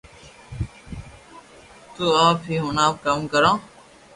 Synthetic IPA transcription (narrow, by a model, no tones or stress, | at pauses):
t̪uːaːpʰɦiːɦʊnaːpkəmkəɾãː